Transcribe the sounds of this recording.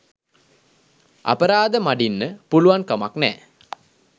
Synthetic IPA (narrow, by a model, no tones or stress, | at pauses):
ʔa̰pəɾaːd̪əmaɖinːəpuluʋankamaknɛ̰ː